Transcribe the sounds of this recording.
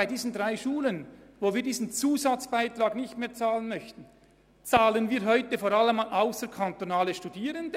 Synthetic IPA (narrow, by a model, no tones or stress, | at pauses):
aɪdiːzn̩dʁaɪʃuːlənvoːviːɐdiːzn̩t͡suːzat͡sb̥aɪtr̥ɑːɡnɪçtmeːɐt͡saːlənmœçtn̩ | t͡saːlənviːɐɦɔʏtəfoːɾaləmanʔaʊsəkʰant̪onaːləʃtudiːʁənd